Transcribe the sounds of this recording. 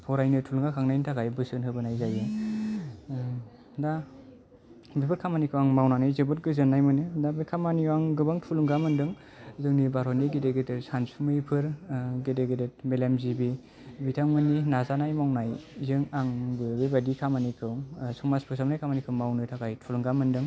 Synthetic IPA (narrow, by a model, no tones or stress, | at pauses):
pʰɔɾajnɯtʰulŋakʰaŋnajntʰaɡajbɯsɯnɦɯbɯnajzajɯ | da | bibɯɾ̚kʰamanikʰɯwaŋmawnanɯjzɯbɯt̚ɡɯzɯnːajmɯnɯdabɯkʰamaniwaŋɡɯbaŋtʰuluŋɡamɯndɯŋ | zɯŋnibaɾɔniɡedeɡɯdetsansumɯjpʰɯɾɡedeɡɯdet̚melemzibi | bitʰaŋmɯninazanajmawnajzɯŋaŋbɯbebadikʰamanikʰɯwsɔŋmaspʰɯsamnajkʰamanikʰɯwmawnɯtʰakajtʰuluŋɡamɯndɯŋ